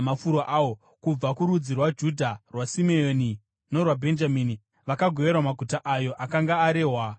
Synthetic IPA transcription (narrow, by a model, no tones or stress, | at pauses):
mafuɾoʔawo | kub͡vakuɾud͡zirwad͡ʒudʱarwasimeoːni | no̞rwabʱe̞nd͡ʒamiːni | ʋakaɡʱo̞ʋe̞rwamaɡʱutaʔajo̞ʔakaŋɡaːɾe̞ːɦwa